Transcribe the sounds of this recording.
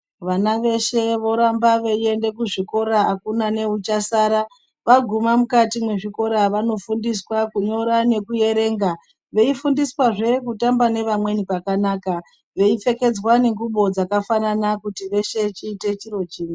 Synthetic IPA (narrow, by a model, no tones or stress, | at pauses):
ʋanaʋe̞ʃe̞ʋo̞ɾambaʋeie̞nde̞kuʐiko̞ɾaakunane̞ut͡ʃasaːɾa | ʋaɡʱumamukatimwe̞ʐiko̞ɾaʋano̞fundiswakuɲo̞ɾane̞kuje̞ɾe̞ːŋɡa | ʋe̞ifundiswaʐe̞kutambane̞ʋamwe̞nikakanaːka | ʋe̞ife̞ke̞d͡zwane̞ŋɡuɓo̞d͡zakafananakutiʋe̞ʃe̞t͡ʃiːte̞t͡ʃiɾo̞t͡ʃiːni